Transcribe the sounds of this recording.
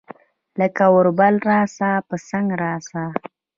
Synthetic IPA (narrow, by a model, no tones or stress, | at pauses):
ləkawʊɾbalɾɑsapəsaŋɡɾɑsa